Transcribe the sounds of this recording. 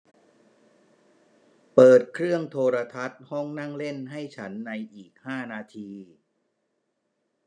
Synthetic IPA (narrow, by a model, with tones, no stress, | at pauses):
pɤː˨˩t̪̚kʰɾɯ˥˩əŋt̪ʰoː˧ɾa˧t̪ʰa˦˥t̪̚hɔ˥˩ŋna˥˩ŋle˥˩nɦa˥˩jt͡ɕʰa˦˥nːa˧jʔiː˨˩k̚haː˥˩naː˧t̪ʰiː˧